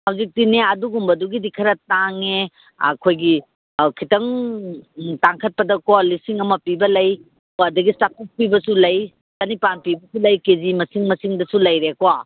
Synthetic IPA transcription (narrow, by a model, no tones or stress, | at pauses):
hawzik̚tineɐduɡumbɐduɡidikʰɐɾɐtaŋe | ɐ̰kʰojɡi | kʰitɐŋ | taŋkʰɐt̚pɐdɐkolisiŋɐmɐpibɐlɐj | adɐɡistapʰis̚pibɐsulɐj | sɐnipanpibɐsulɐjkezimɐsiŋmɐsiŋdɐsulɐjɾekwa